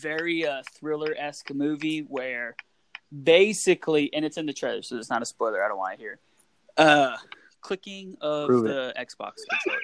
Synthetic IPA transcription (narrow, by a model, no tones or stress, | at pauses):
vɛɹiʌθɹɪlˠə˞ʔɛskəmʉviwə˞ | beɪsɨkʰliʔɨ̃ñɨtsɨ̃nðɨtʰɹ̥eɪðə̰˞soʊɨtsnəɾəspɔɪlˠə˞aɪɾõnʔwɑ̃nɨhiɹ | ʔʌ | kʰl̥ɪkɪ̃ŋʌəɛksb̥ɑ̰ks